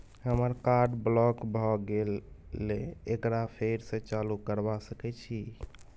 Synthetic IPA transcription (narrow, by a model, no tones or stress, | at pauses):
ɦəməɾkaɾɖblɔkbʱɔɡelːeekɾapʰeɾsẽt͡ʃalukəɾbasəkɛt͡ʃʰi